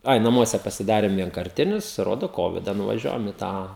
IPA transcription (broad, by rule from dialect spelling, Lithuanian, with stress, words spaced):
ˈɐɪ nɐˈmuɔsʲɛ pɐsʲɪˈdɑːrʲeːm ʋʲiɛŋkɐrʲˈtʲɪnʲʊs ˈroːdoː ˈkoːʋʲɪdɐ nʊʋɐˈʒʲuɔjɛm ɪ ˈtɑː